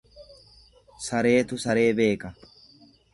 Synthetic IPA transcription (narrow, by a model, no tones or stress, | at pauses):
sɐɾe̞ːt̪ʊsɐɾe̞ːbe̞ːkɐ